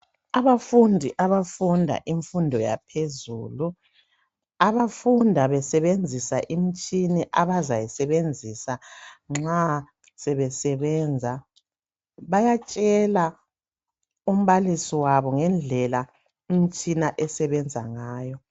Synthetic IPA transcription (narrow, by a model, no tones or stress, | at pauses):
aβafundʱiʔaβafundʱa̰ʔiɱfundʱɔja̰pʰezṵːlu | aβafundʱaβɛsɛβend͡zʱisaʔim̩t͡ʃʼiniʔaβazajisɛβend͡zʱisaŋ͡ǁa | sɛβɛsɛβɛnd͡zʱa | βajat͡ʃʼɛla | um̩βalisiwaβɔŋɛnd͡ɮʱɛla | im̩t͡ʃʼinaʔɛsɛβɛnd͡zʱa̰ŋaːjɔ